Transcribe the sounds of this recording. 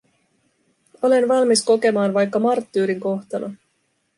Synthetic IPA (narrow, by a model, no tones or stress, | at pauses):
o̞le̞nʋɑlmisko̞ke̞mɑːnʋɑjkːɑmɑrt̪ːyːɾiŋko̞xt̪ɑnɑ